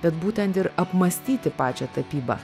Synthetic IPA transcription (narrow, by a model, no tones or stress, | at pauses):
bʲɛt̪buːt̪ʲɛnt̪ɪɾɐpmɐsʲt̪ʲiːt̪ʲɪpɑːt͡ʃʲɛt̪ɐpʲiːbɐ̰